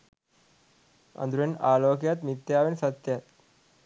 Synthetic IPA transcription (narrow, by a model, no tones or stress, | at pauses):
ə̰nd̪ɾuenaloːkjat̪mit̪ːjaʋensət̪jat̪